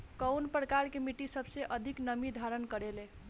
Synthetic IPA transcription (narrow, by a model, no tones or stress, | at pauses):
kəwnpɾəkaɾkemiʈisəbʱseʔəd̪ʱiknəmid̪ʱaɾənkəɾele